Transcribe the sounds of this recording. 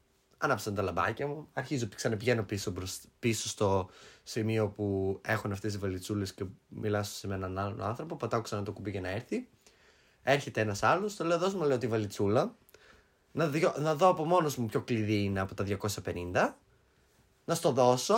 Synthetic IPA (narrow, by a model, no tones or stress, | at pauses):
ɐnɐpsɐnt̪ɐlɐbɐ̰cɐmuɐɾçizoiksɐnɐpiʝe̞no̞pisopiso̞st̪o̞simio̞pue̞xonɐft̪e̞s̬ivɐlit͡sulesce̞milɐso̥semenɐnɐlo̰nɐnθɾo̞po̞pɐt̪ɐkoksɐnɐt̪okubicɐnɐeɾθi | e̞ɾçe̞t̪e̞enɐsɐlost̪ole̞oðo̞smunɐleot̪ivɐlit͡sulɐ | nɐonɐðo̞ɐpo̞mo̞no̞zmupço̞kliðiine̞ɐpo̞t̪ɐðʝɐko̞sɐpe̞nind̪ɐ | nɐst̪o̞ðo̞so̞